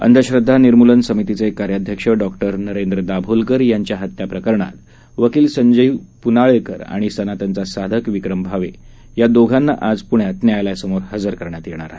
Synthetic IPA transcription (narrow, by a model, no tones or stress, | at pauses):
ə̰nd̪ʱəɕɾəd̪ʱːaniɾmulənsəmit̪it͡sekːaɾjad̪ʱjəkʂəɖɔkʈəɾnəɾend̪ɾəd̪abʱolkəɾjaɲt͡ɕjaɦət̪ːjapɾəkəɾɳa̰t̪ | ʋəkiːlsəɲd͡ʑəipunaɭekə̰ɾa̰ɽ̃isənat̪ant͡sasad̪ʱəkʋikɾəmbʱaʋḛ | jad̪oɡʱanːa̰ʔad͡zpuɳjat̪njajlajsəmoɾɦəd͡zəɾkəɾɳjat̪jeɳ̃a̰ɾaɦe